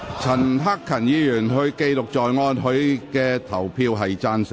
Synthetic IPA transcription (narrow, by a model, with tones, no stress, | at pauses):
t͡sʰɐ˨˩nɦa˥kʰːɐ˨˩njiː˨˧jyː˨˩nɦɵ˧ɥke˧jlʊ˨k̚t͡ʃɔː˨jŋɔː˧nɦɵ˨˥ɥkɛː˧t̪ʰɐ˨˩wpʰiː˧wɦɐ˨jt͡saː˥nsɪ˨